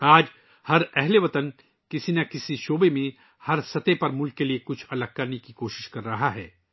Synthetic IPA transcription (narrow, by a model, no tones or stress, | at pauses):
aːd͡ʒ | hɐɾɛɦleʋɐt̪ən | kɪsinɐkɪsiʃoːbemẽ | hɐɾsɐt̪epɐɾmʊlkːeliekʊt͡ʃʰɐlɐɡ̚kɐɾnekikoːʃɪ̥ʃkɐɾːɐɦaɦɛː